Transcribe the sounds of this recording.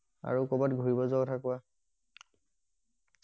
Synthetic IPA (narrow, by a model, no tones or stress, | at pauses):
a̰ɹukɔbatɡʱuɹibɔzɔɡtʰakʊwa